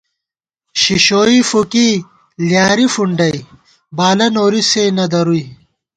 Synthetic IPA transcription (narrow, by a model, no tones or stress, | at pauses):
ɕiɕoːifuki | ljaːɾifuɳɖɐj | baːlɐnoːɾiseːnɐd̪ɐɾui